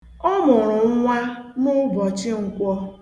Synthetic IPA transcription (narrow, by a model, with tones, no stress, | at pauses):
ɔ˦mʊ˨ɾʊ˨ŋ̩˦ŋʷa˦mʊ˦bɔ˨t͡ʃɪ˦ŋ̩˨kʷɔ˦